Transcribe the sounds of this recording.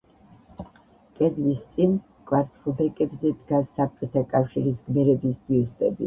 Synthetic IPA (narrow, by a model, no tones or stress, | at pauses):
kʼɛd̪list̪sʼin | kʼwaɾt̪sʰχubɛkʼɛbzɛd̪ɡasːap̚t͡ʃʼɔt̪ʰakʼafʃiɾisɡmɛɾɛbisɡiust̪ʼɛbḭ